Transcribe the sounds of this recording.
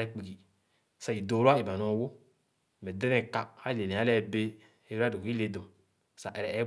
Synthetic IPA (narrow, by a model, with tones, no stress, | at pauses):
ɛ˨˦k͡pi˨ɡi˨ | sa˨i˨do˨˦ɾa˦e˨ba˨nɔ˨˦wo˦˨ | mɛ˨dɛ˦nɛ˨ka˦ha˦˨le˨nɛ˨a˦lɛ˦be˦ | e˨˦a˦do˨ki˦le˨do˨ | sa˨ʔɛ˨ɾɛ˨ɛ˨˦